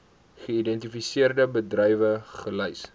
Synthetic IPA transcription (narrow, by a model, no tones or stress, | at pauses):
χəidɛntifisiərdəbədrɛjvəχələjs